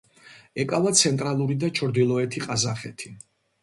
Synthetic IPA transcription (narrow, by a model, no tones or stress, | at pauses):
ɛkʼavat̪sʰɛnt̪ʼɾalˠuɾid̪at͡ʃʰɔɾd̪ilˠɔɛt̪ʰiqʼazaχɛt̪ʰi̥